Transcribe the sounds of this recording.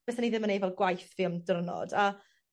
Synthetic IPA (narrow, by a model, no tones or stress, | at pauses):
eθaniðɪmənejvɛlˠɡwajθviːɔmdrnɔ̰da